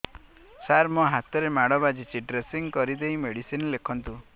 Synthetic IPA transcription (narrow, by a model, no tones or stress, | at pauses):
saɾmɔɦat̪ɔɾemaɽɔbad͡ʒit͡ʃiɖɾesiŋkɔɾid̪ejmeɽisinlekʰɔnt̪u